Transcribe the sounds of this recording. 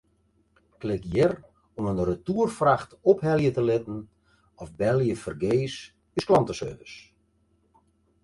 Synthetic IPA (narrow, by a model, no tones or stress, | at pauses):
klɪkjɪr | ɔmənrətuːərfraxtɔphɛljətəlɪtn̩ | ɔfbɛlˠjəfərɡeːs | ysklɑntəsø̰rvəs